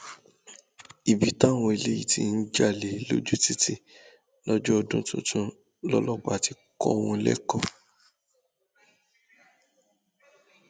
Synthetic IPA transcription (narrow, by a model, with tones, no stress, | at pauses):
i˨bi˨tã˦˨w̃ɔ̃˧i˨le˦ji˦˨ti˦n̩˦d͡ʒa˦˨le˨lo˦d͡ʒu˦ti˦ti˦ | lɔ˦d͡ʒɔ˦ɔ˧dũ˦tṵ̃˦tʰũ˧ | lɔ˦lɔ˦k͡pa˨ti˧ | kɔ̰˦˧wɔ̃˧lɛ̰˦kɔ˦˨